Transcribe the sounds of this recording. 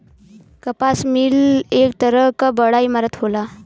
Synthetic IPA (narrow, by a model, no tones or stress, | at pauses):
kəpasmiːlek̚t̪əɾəkəbəɽajimaɾət̪ɦola